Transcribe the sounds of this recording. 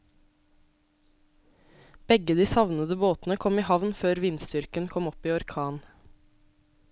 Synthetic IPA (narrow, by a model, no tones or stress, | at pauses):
b̥ɛɡəd̪iːsɑʋnəd̪əboːt̪n̩əkʰɔmiːhɑʋnføːɾʋinst̪ʏɾkənkʰɔmɔpiːɔɾkʰɑːn